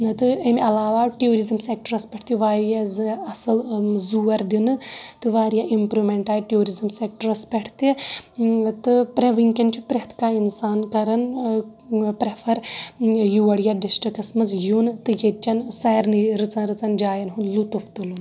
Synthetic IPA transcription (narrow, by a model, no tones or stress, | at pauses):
t̪ɨɐmʲɐlaːʋaːʈijoːɾizɨmsek̚ʈɐɾɐspʲɐʈʰt̪iʋaːɾijazɐsɨlzuːɐɾd̪inɨt̪ɨʋaːɾijaʔimpɾumeɳʈaːjʈjoːɾizɐmsek̚ʈɐɾɐspeʈʰt̪i | t̪ɨpɾeʋɨŋkʲɐnt͡ʃʰupɾeɦt̪ʰkaːinsaːnkɐɾɐn | pɾepʰɐɾ | juɐɽijaːɖisʈɐkɐsmɐsjunt̪ɨjet͡ʃːɐnsɐjɾnɨɾɨt͡sɐnɾɨt͡sɐnd͡ʒaːjɐnɦunlut̪uft̪ɨlun